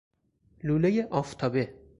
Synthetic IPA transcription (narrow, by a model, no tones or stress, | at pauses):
luːlejeʔɒːft̪ʰɒːbe